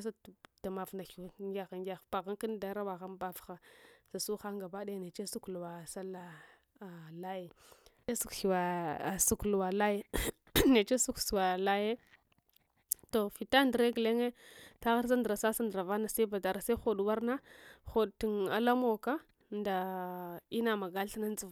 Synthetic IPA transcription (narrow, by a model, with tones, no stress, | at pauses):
sa˦˨ta˨ma˨vna˨xi˨wa˨˦ŋɡʲa˦xa˨ŋɡʲa˦˨xpa˨ɣa˦ŋki˦n˦da˨˦ɾa˦wa˨ɣa˦nba˦˨fxa˨sa˨su˦xa˦ŋɡa˨ba˦da˦jne˨t͡ʃe˦su˦klu˨wa˨sa˦lːa˦˨ | la˦je˨ | e˦su˦kxi˨wa˨su˦klu˨wa˨la˦je˦ | ne˨t͡ʃe˦su˦ksu˨wa˨la˦je˦ | to˨fi˨ta˦ndɾe˦ɡle˦ŋe˦ta˦ɣa˦ɾs̬a˦ndə˨ɾa˨sa˦sa˦ndɾa˨va˦na˨sa˦i˦ba˨da˨ɾa˨sa˦xo˦˨dwa˦ɾna˦xo˨dtu˨na˨la˦mo˦ka˦ | nda˨ | i˦na˨ma˨ɡa˦lɬa˦na˦n˦d͡zu˨v